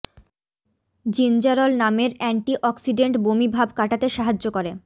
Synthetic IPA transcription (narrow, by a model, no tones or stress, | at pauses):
d͡ʑind͡ʑaɾolnameɾɛɳʈiʔɔksiɖeɳʈbomibʱabkaʈat̪eʃaɦad͡ʑokoɾe